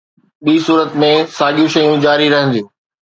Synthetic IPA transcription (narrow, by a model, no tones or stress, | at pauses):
ɓiːsuːɾət̪mẽsaːɠijũʃɐjũd͡ʑaːɾiɾɐɦə̃nd̪ijũː